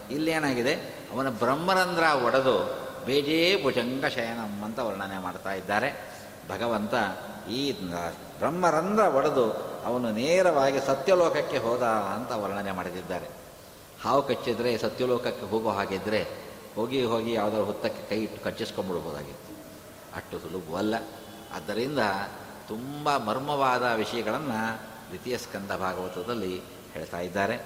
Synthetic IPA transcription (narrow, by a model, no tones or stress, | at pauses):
ilːeːnaːɡid̪e̞ | ɐʋɐnɐbɾɐmːɐɾɐnd̪ɾɐɔɽɐd̪ubeːd͡ʒeːbʱud͡ʒɐŋɡɐʃɐjɐnɐmːɐnt̪ɐʋɐlɐɳɐnemaːɖt̪aːjid̪ːaːɾe̞ | bʱɐɡɐʋɐnt̪ɐ | iː | bɾɐmːɐɾɐnd̪ɾɐɔɽɐd̪uɐʋɐnuneːɾɐʋaːɡisɐt̪jɐlɔːkɐkːeɦɔːd̪aːnt̪ɐʋɐɾɐɳɐnemaːɽt̪id̪ːaːɾe̞ | haːʋukɐt͡ʃːid̪ɾe̞sɐt̪jɐlɔːkɐkːeɦoːɡoːɦaːɡid̪ːɾe̞ | ho̞ːɡiɦoːɡijaːʋd̪aːɾuɦɔt̪ːɐkːe̞kɐjiʈːu̥kɐt͡ʃːiskombuɽubʱoːd̪a̰ːɡit̪ːu̥ | ɐ̰ʈːusulubuɐlːɐ | ɐ̰d̪ːɐɾind̪ɐ | t̪umbɐmɐɾmɐʋaːd̪ɐʋiʂɐjɐɡɐɭɐnːɐ | ɾit̪ijɐskɐnd̪ɐbʱaːɡɐʋɐt̪ɾɐd̪ɐlːi | heːɭt̪aːjid̪ːaːɾe̞